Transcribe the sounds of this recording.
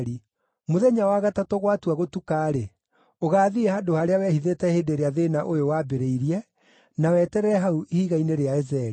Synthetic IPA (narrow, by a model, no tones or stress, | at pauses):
ɾi | moðɛɲawaɣatatoɣwatwaɣotukaːɾe | oɣaːðiɛhadohaɾeawɛhiðetɛhedeɾeaðenaʔojowaːbeɾeiɾiɛ | nawɛtɛɾɛɛɦauihiɣaineɾeaezɛɾi